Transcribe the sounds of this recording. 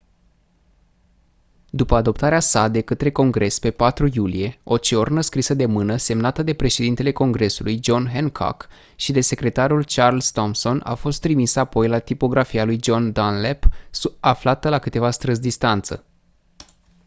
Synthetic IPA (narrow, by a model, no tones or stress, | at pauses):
d̪upəad̪o̞p̚t̪aɾeasad̪e̞kət̪ɾe̞ko̞ŋɡɾe̞spe̞pat̪ɾujulije̞o̞t͡ʃeo̞rnəskɾisəd̪e̞mɨnəse̞mnat̪əd̪e̞pɾe̞ʃe̞d̪int̪ele̞ko̞ŋɡɾe̞sulujd͡ʒo̞nɦeŋkʰo̰k | ʃid̪e̞se̞kɾe̞t̪aɾult͡ʃarlst̪o̞mso̞na̰fo̞st̪ːɾimisəapo̞jlat̪ipo̞ɡɾafialujd͡ʒo̞nd̪anlepsaflat̪əlakɨt̪e̞vast̪ɾɨzd̪ist̪ant̪sə̰